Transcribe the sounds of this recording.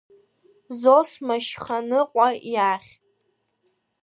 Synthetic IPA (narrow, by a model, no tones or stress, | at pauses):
zosmaʃχanɨqʷʼajaχʲ